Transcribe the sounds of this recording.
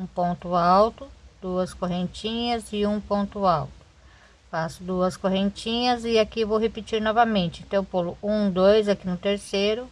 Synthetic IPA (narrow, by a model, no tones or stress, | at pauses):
ũpõnt̪ʊawt̪ʊd̪̥uɐskoɦẽnt͡ʃĩɲɐzɪũpõnt̪ʊawt̪ʊ̥ | fasʊd̪uɐskoɦẽnt͡ʃĩɲɐzɪakivowɦepit͡ʃiɾnɔvɐmẽnt͡ʃɪẽnt̪ɐ̃w̃põlʊũd̪ojzakinʊt̪eɾsejɾʊ